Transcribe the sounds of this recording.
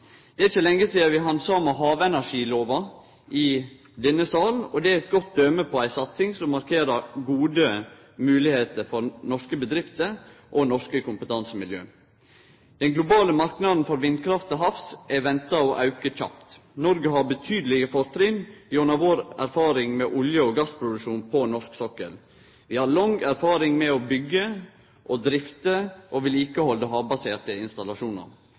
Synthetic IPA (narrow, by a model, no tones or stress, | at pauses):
d̪̥ɛːɪçːəlɛŋːəsiːəɾʋɪɦɑnd̪sɑmɑɦɑːʋɛnæʂiːloːʋɑ | ʔɪ | d̪ɛnːəsɑːlnɔd̪ɛæɾɛt̪̚ɡɔt̪̚d̪øməpʰɔæɪsɑt̪sɪŋsɔmːɑɾkʰeːɾəɾɡuːd̪ə | mʉːlɪheːt̪əɾfɔɾnɔʂkəbəd̪ɾɪft̪əɾʔɔnɔʂkəkʰʊmpət̪ʰɑnsəmɪljø̰ː | d̪̥ɛŋɡlʊbɑːləmɑɾknɑd̪n̩fɔɾʋɪnd̪kʰɾɑft̪ɔɦɑfsɛʋɛnt̪ɑɔʔɑʉkəc͡çɑ̰pt̪ | nɔɾɡəɦɑbət̪ʰyːd̪əlɪɡəfɔɾt̪ʰɾɪnjɔnɑʋoːɾæ̰ɾfɑːɾɪŋmɛːʔʊljəɔɡɑspʰɾʊd̪ʉʃuːnpʰɔnɔʂksɔkːə̰l | ʋɪhɑɾlɑŋæɾfɑːɾɪŋmɛɔbʏɡːə | ʔɔd̪ɾɪft̪əʔoʋɪliːkəhɔld̪əɦɑːʋbɑseːʈəɪnst̪ɑlɑʂuːnə̰